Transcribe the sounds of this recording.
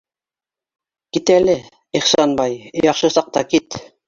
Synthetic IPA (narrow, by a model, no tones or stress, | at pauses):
kit̪ælɘ | iχsɑnbɑjjɑχʃɤsɑq̚t̪ɑkit̪